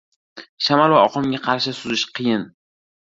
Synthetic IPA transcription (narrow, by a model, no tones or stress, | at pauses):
ʃamalvaɒqʰɒmɡʲaqʰɑɾʃɪsʊzɪʃqʰɨjɪn